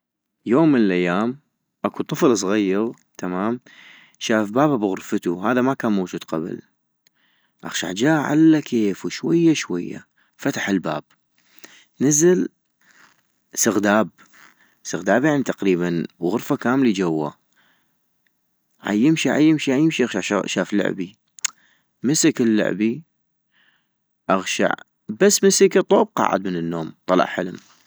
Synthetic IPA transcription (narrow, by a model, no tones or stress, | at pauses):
joːmːənəlʔajːaːm | ʔakut̪ˤɨflsˤɣajːɑɣ | t̪ʰamaːm | ʃaːfbaːbabɣʊɾfət̪uhaːðamakaːnmawd͡ʒuːd̪qa̰b̰l | ʔa̰xʃa̰ʕd͡ʒaːʕa̰lːakʰeːfwʃwajːaʃwa̰jːa̰ | fat̪ḁħɪlba̰ːb̥̚ | nazɪl | sɪɣd̪aːb̚ | sɪɣd̪aːbjaʕnit̪aqɾiːbanɣʊɾfakaːmlid͡ʒawːa̰ | ʕa̰jɪmʃiʕa̰jːɪmʃiʕajɪmʃiʔaɣʃaʕʃaːflʊ̰ʕbi | məsɪkɪlːʊ̰ʕbi | ʔaɣʃa̰ʕ | basːməsəkt̪ˤːoːb̚qɑ̰ːʕɪ̰d̪̚mənənːoːmt̪ˤɑlɑ̰ʕħə̰lm